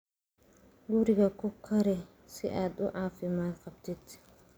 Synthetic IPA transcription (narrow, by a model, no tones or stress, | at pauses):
ɡʊɾɪɡɐkɔkʰːɐɾɛ | sɪ̰ʔaːd̪ʊʕaːfɪmaːnqɐb̚t̪ɪt̪